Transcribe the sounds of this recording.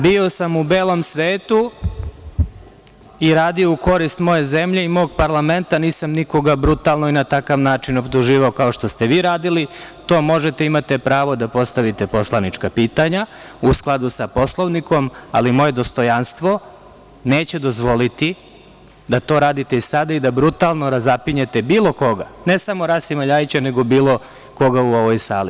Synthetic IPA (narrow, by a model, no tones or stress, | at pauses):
bio̞samubeːlˠo̞msʋeːt̪u | iɾaːd̪io̞uko̞ɾist̪mo̞je̞ze̞mʎe̞imo̞ːɡ̚paɾlˠame̞nt̪aniːsamniko̞ɡabɾut̪alˠnoinat̪akaʋnaːt͡ʃino̞bt̪uʒiːʋao̞kao̞ʃt̪o̞st̪e̞ʋiːɾaːd̪ilit̪o̞ːmo̞ʒe̞t̪eimat̪e̞pɾaːʋo̞d̪apo̞st̪aʋit̪e̞po̞slˠanit͡ʃkapiːt̪aɲa | usklˠad̪usapo̞slˠoʋniko̞ma̰limo̞je̞d̪o̞st̪o̞janst̪ʋo̞ | neːt͡ɕe̞d̪o̞zʋo̞lit̪i | d̪at̪o̞ːɾaːd̪it̪e̞issad̪aid̪abɾut̪alˠno̞ɾazapiɲet̪e̞biːlo̞ko̞ɡane̞samo̞ɾasimaʎaːjit͡ɕane̞ɡo̞biːlˠo̞ | ko̞ɡauo̞ʋojsaːli